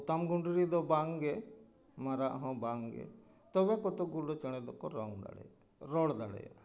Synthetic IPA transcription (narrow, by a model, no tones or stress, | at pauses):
t̪amɡuɳɖuɾid̪ɔbaŋɡɛ | maɾaʔɦɔ̃baŋɡɛ̰ | t̪ɔbɛkɔt̪ɔɡuɾɖɔt͡ʃɛɽ̃ɛd̪ɔkɔɾɔŋd̪a̰ɽɛ̰j | ɾɔɽd̪aɽɛ̰ja̰